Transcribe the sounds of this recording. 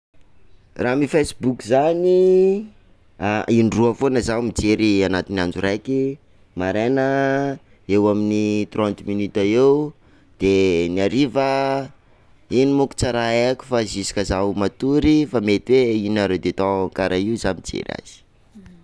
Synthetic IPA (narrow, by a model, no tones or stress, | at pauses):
raːmifesbukʲzani | ainruəfonəzamid͡ʒeɾianat̪iniand͡ʒurajki | maɾanə | ewaminit̪rɔ̃nt̪minit̪aeu | d̪̥eniaɾivə | inimuku̥t͡saɾaekʲu̥fazisi̥kəzaumat̪uɾifamet̪iweinaɾewd̪et̪ɔŋkaɾʔaiuzamid͡ʒḛɾa̰z̥i̥